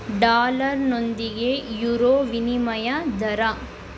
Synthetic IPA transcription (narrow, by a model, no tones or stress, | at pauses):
ɖaːlɐɾnond̪iɡejuːɾoːʋinimɐjɐd̪ɐɾɐ